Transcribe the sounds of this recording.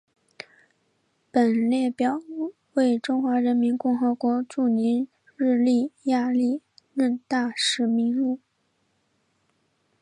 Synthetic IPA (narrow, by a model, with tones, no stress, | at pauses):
pə˨˩nljɛ˥˩pjɑ˨˩ʊ | we˥˩ɪʈ͡ʂʊ˥ŋxwa˧˥ɻə˧˥nmi˧˥nkʊ˥˩ŋxɤ˧˥kwɔ˧˥ʈ͡ʂu˥˩ni˧˥n | ɻɻ̩˥˧li˥˩ja˥˧li˥˧ | ɻə˥˧nt̪a˥˩ʂɻ̩˧˥mi˧˥ŋlu˥˩